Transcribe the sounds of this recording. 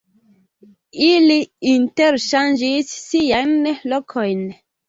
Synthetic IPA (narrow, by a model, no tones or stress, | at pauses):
iliinteɾʃand͡ʒisːijajnlɔkʰojn